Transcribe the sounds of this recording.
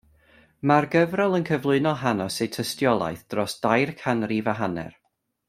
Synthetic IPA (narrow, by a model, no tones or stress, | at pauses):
marɡəvrɛlˠənkʰəvlˠʊɨnɔlˠɦanɔsejtʰəstjɔlˠa̰jθd̥rɔsd̥ajrkʰanrivaɦanɛ̰r